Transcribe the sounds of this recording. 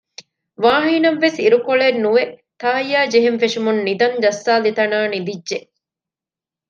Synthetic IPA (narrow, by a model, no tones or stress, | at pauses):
ʋaːɦiːnɐʋʋesiɾukoɭenːuʋet̪aːjaːd͡ʒeɦenfeʂumunːid̪ɐnd͡ʒɐsːaːlit̪ɐnaːnid̪idʒe